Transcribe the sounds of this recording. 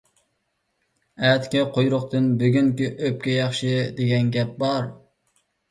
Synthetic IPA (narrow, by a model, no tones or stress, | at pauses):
ɛt̪kʲɛqʰojɾʊqt̪ʰɨnbyɡʲyŋkʲiʔøp̚kʲɛjɑχʃɨd̪eɡʲɛnɡʲɛp̚bɑɾ